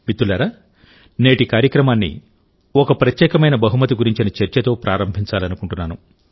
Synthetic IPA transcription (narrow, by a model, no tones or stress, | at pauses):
mit̪ːulaːɾaː | ne̞ːʈikaːɾjɐkɾɐmaːnːḭ | okɐpɾɐt̪jɛːkɐmɐjnɐbɐɦumɐt̪̬iɡuɾiɲt͡ʃinɐt͡ʃɐɾt͡ʃɐt̪o̞ːpɾʔaːɾɐmbʱiɲt͡ʃaːlɐnukuɳʈunːaːnu